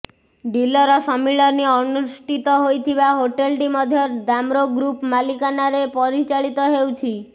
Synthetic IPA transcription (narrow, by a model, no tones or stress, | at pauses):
ɖilɔɾɔsɔmiɭɔniɔnuʃʈit̪ɔɦojt̪ʰiβaɦoʈelʈimɔd̪ʱjɔɾd̪amɾoɡɾupmalikanaɾepɔɾit͡ʃaɭit̪ɔɦewt͡ʃʰi